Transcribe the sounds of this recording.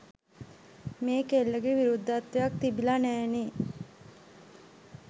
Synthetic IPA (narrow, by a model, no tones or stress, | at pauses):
meːkelːəɡeʋiɾud̪ːat̪ʋejak̚t̪ibilanæːne